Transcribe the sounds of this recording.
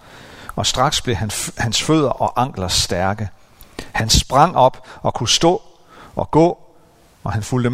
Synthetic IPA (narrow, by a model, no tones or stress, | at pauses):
ɒ̽sd̥ʁɑ̈ɡ̥sb̥le̝hæhænsføð̞̰ˠɐʔɒ̽ʔɑ̈ŋ̰ɡ̥lɐsd̥æɐɡ̥ə | hænsb̥ʁɑ̈ŋ̰ɒ̽b̥ɒ̽kʰusd̥ɔ̰̽ː | ʔɒ̽ɡ̥ɔ̰ː | ɒ̽hænfuld̥ə